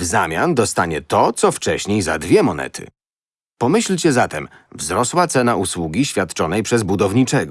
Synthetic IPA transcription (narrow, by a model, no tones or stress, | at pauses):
vzamʲjand̪ɔst̪aɲɛt̪ɔt̪sɔft͡ʂɛɕɲejza̰d̪vʲjɛmɔnɛ̰t̪ʰɘ̰ | pɔmɘɕlʲt͡ɕɛzat̪ɛm | vzɾɔswat̪sɛnaʔuswuɡʲiɕfʲjat̪t͡ʂɔnɛjpʂɛzbud̪ɔvɲit͡ʂɛɡɔ